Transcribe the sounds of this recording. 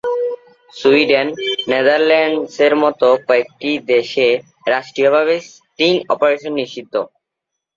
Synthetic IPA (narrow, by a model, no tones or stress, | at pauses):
suiɖenːed̪aɾlɛɳɖseɾmɔt̪okɔek̚ʈid̪eʃe | ɾaʃʈɾijobʱaβe | t̪inɔpoɾeʃonːiʃt͡ɕid̪ːo